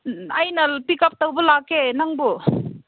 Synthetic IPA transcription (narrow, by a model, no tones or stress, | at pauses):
ɐjnɐpikɐp̚tɐwbɐlakːenaŋbu